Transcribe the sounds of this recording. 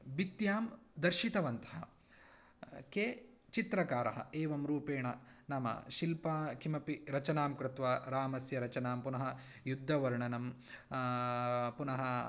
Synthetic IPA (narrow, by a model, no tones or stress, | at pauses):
bit̪jaːmd̪ɐɾʃit̪ɐʋɐnt̪ɐ̥ɦɐ̰ | keː | t͡ʃit̪ɾɐkaːɾɐ̰ɦɐ̰eːʋɐmɾuːpeːɳɐnaːmɐ̰ʃilpɐkʰimɐpiɾɐt͡ʃɐnaːmkɾɪt̪ʋaːɾaːmɐsjɐɾɐt͡ʃɐnaːmpunɐɦɐjud̪ʱːɐʋɐɾɳɐnɐm | punɐɦɐ